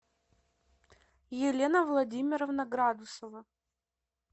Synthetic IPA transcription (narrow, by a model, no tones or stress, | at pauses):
jɪlʲenəvlˠɐdʲimʲɪɾəvnɐɡɾad̪ʊsəvə